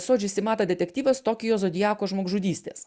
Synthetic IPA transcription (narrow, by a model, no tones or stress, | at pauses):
soːd͡ʒʲʊsʲɪmɑːt̪ɐd̪ʲɛt̪ʲɛkt̪ʲiːʋʲɐst̪ɔkʲɪjoːsɔd̪ʲɪjɑːkoːʒmoːɡʒuːd̪ʲiːsʲt̪ʲḛːs